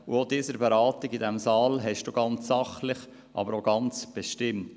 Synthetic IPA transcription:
uodiːsəɾbeɾɑːt̪iɡidɛmsɑːlɦɛʃd̥uɡ̥ɑnt͡sːɑχlɪχ | ʔɑ̰bəɾoɡ̥ɑnt͡sb̥eʃtɪmt

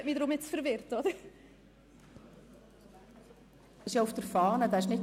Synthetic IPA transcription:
miːdɾʊmɪtsfəɾvɪrdɔd̥ | ɪʃjɔʊfd̥əɾfɑːnədaɪʃnɪt

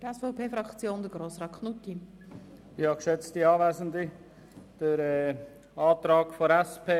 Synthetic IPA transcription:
əɛsfɔʊpʰeːfɾɑkt͡sjoːnd̥̪əɡ̥roːsrɑːtkχnutːi | ihɑkʃɛt͡stiɑːvæːzən̩di | d̥əɾɛ | ɑːtɾɑːɡ̥foɾɛspʰeː

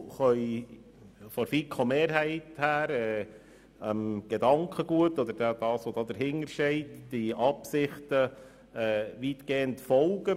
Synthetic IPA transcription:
χœʏ | fɔɾfikʰomeːɾɦæɪthæːɾɛː | əmɡ̥ɛd̪ɑŋkʰχəɡuətːɔd̪əɾdɛd̥̪ɑːsʋod̥̪ɑːd̪əɾɦɪŋəɾʃɛɪtd̥iʔɑpsɪχtə | ɛːʋitɡ̥eːəntfɔlɡə

